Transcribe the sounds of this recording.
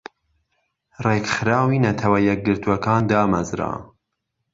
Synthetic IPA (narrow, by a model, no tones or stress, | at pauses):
rekxɾaːwiːnɐt̪ʰɐwɐjɛk̚ɡɨɾt̪uɐkɑːnd̪ɑːmɐzɾa̰ː